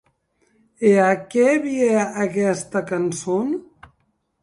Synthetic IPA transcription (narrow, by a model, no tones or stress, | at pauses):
eakɛβieəkɛst̪əkanson